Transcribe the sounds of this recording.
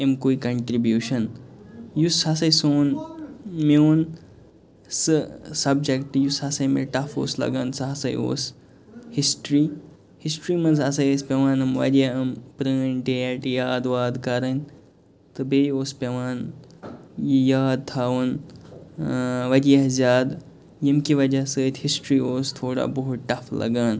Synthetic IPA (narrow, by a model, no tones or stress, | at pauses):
emkoːikɐɳʈɾibjuːʃɐn | jushɐsɐjsoːn | meun | sɨsɐb̚d͡ʒekʈjushɐsɐjmḛʈɐfo̰ːslɐ̰ɡa̰ːnsɐɦɐsɐ̰jo̰ːs | hisʈɾiː | hisʈɾiːmɐnzɐsɐjespʲeʋaːnɐmʋɐ̰ɾijɐɐmpɾəːnʈeʈijaːd̪ʋaːd̪kɐɾɐnʲ | t̪ɨbejoːspʲɐʋaːn | jijaːd̪̚t̪ʰaːʋɐn | ʋɐɾijɐzʲjaːd̪ | jimkiʋɐd͡ʒasəːt̪ʲʰhisʈɾiːoːst̪ʰoːɽa̰boɦut̪ʈɐflɐ̰ɡaːn